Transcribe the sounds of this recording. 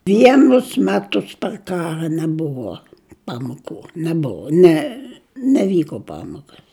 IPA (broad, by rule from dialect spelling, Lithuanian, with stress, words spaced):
ˈʋʲiɛnʊs ˈmʲæːtʊs pɐr ˈkɑːrɐ nʲɛˈbʊʋoː ˈpɑːmoːkʊ nʲɛˈbʊʋoː ˈnʲɛ nʲɛˈʋʲiːkoː ˈpɑːmoːkɐs